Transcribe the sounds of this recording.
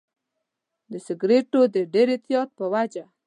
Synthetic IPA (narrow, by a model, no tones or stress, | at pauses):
d̪əsɪɡɾeʈod̪əɖeɾɪt̪jɑt̪̚pəwad͡ʒa